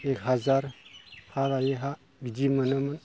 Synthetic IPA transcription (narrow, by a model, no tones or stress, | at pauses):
ekɦazaɾhaɾajeɦa | ɡid͡ʒimənəmən